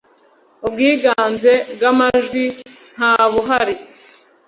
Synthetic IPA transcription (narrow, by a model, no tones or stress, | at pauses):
ubɡiːɡaːnze̞bɡamaʒɡi | n̥haːβuɦaɾi